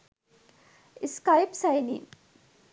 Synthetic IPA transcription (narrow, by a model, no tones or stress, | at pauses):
iskajpsajnḭ